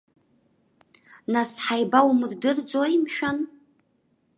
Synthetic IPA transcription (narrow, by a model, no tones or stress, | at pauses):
nasħajbawmɨrdɨrd͡zʼoimʃᶣan